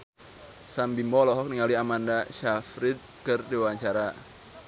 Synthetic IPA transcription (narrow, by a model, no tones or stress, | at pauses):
sambimɔlɔɦɔk̚niŋaliamandaʃafɾɪd̪̚kərdewaɲt͡ʃaɾa